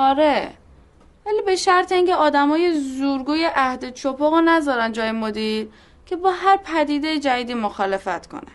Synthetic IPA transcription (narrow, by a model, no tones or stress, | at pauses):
ɒːɾe | væliːbe̞ʃæɾt̪ʰeiːŋceɒːd̪æmɒːje̞zuːɾɡuːje̞ʔæhd̪et͡ʃʰopʰɒɣonæzɒːɾænd͡ʒɒːjemod̪iːɾ | cʰe̞bɒːɦæɾpʰæd̪iːd̪ejed͡ʒæd̪iːd̪iːmoxɒːle̞fæt̪kʰo̞̰næ̰n̥